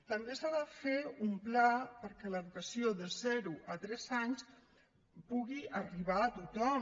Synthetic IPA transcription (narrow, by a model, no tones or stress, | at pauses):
t̪əmbesaðəfeumplapəɾkɛləðukəsioðəzɛɾuʔət̪ɾɛzaɲs | puɣiəriβaːt̪ut̪ɔm